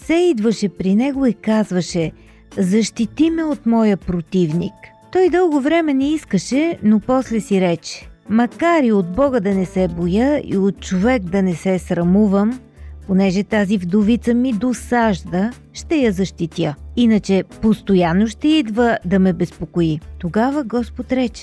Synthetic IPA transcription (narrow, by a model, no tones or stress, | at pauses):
sɛid̪vəʃɛpɾinɛɡoikazvəʃɛ | zɐʃt̪it̪imɛot̪mɔjəpɾot̪ivnḭk | t̪ɔjd̪ɤlˠɡovɾɛmɛnɛiskəʃɛnopɔslɛsiɾɛt͡ʃɛ̥mɐkaɾiod̪̚bɔɡəd̪ɐnɛsɛbojəḭot̪̚t͡ʃovɛkd̪ɐnɛsɛsɾɐmuvəm | ponɛʒɛt̪azivd̪ovit̪səmid̪osaʒd̪ə | ʃt̪ɛjɐzɐʃt̪it̪jəinət͡ʃɛpost̪ojanːoʃt̪ɛid̪vəd̪ɐmɛbɛspokoit̪oɡavəɡɔspot̪ɾɛt͡ʃɛ̥